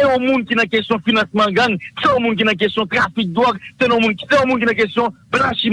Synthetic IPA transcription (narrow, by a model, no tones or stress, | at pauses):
eomunikʲinakest̪jɔ̃finãsimãɡaŋseomunik̬ʲinak̬est̪jɔ̃t̪rafik̚d̪wakt̪enomunikʲi̥sewomunik̬ʲinak̬est̪jɔ̃blaʃi